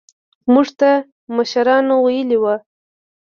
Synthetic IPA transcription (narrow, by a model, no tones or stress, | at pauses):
muʐt̪a | maʃaɾɑnowajəliwa